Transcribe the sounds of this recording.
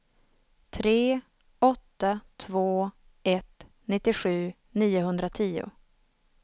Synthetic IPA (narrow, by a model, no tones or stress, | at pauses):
t̪ʰɾeː | ɔt̪ːat̪ʰvoː | ɛt̪ | nɪt̪ːɪɧʉ̟ː | niːʊɦɵnd̪ɾat̪ʰiːʊ̰